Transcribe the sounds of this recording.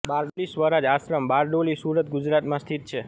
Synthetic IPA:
baɾɖolisʋəɾad͡ʒasɾəmbaɾɖolisuɾət̪̚ɡʊd͡ʒɾat̪mãst̪ʰit̪̚t͡ʃʰe

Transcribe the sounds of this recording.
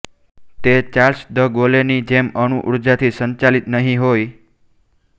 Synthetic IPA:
t̪et͡ʃaɾsd̪əɡolenid͡ʒeməñuʔuɾd͡ʒat̪ʰisəɲt͡ʃalit̪nəɦĩɦoj

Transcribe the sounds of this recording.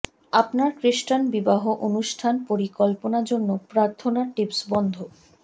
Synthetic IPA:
apnaɾkɾiʃʈanbibaɦoʔonuʃʈʰanpoɾikɔlponaɾd͡ʑonːopɾaɾt̪ʰonaʈipsbɔnd̪ʱo

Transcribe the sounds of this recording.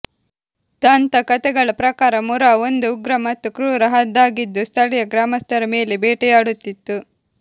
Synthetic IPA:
t̪ɐnt̪ɐkɐt̪ɛɡɐɭɐpɾɐkaːɾɐmuɾaond̪uːɡɾɐmɐt̪ːukɾuːɾɐɦɐd̪ːaːɡid̪ːust̪ʰɐlɛjɐɡɾaːmɐst̪ʰɐɾɐme̞ːlebɛːʈɛjaːɽut̪ːit̪ːu

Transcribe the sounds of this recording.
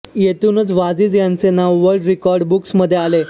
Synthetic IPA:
jet̪uːnət͡sʋad͡ziːt͡sjant͡senaʋːəɾɖɾikɔɾɖbuksməd̪ʱːjeale

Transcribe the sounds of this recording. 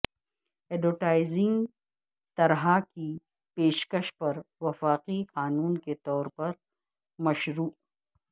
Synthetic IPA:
ɛɖoʈaːɪzɪ̃ŋɡ | t̪ɐɾɦaki | peːʃkɐʃpɐɾʋɐfaːqiqaːnuːnket̪ɔːɾpɐɾ | mɐʃɾuːʔ

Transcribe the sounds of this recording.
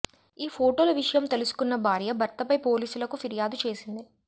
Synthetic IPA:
iːpʰo̞ːʈoːlɐʋiʂɐjɐmt̪elusu̥kunːɐbʱaːɾjɐbʱɐɾt̪ɐpɐjpo̞ːliːsulɐkufiɾjaːd̪ut͡ʃe̞ːsind̪i

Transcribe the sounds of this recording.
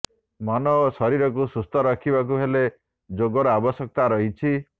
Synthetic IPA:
mɔnɔsɔɾiɾɔk̬usust̪ʰɔɾɔkʰibak̬uɦele | d͡ʒoɡɔɾɔabɔsjɔk̚t̪aɾɔɦit͡ʃʰi

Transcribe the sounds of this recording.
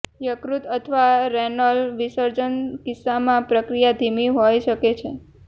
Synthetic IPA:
jəkɾut̪ət̪ʰʋaɾɛnəlʋisəɾd͡ʒənkɪsːamãpɾəkɾijad̪ʱimiɦojʃəket͡ʃʰe

